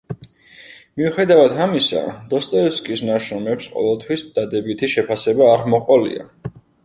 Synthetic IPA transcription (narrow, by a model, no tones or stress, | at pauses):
miuχɛd̪avad̪ʰamisa̰d̪̥ɔst̪ʼɛɔskʼisnaʃɔmɛpsqʼɔ̰vɛlˠt̪ʰwisd̪̥ad̪ɛbit̪ʰiʃɛpʰasɛbaːɾmɔqʼɔlḭa̰